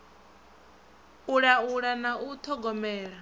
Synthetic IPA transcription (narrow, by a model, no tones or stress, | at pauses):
uɺauɺanaut̪ʰɔɡɔmɛːɺa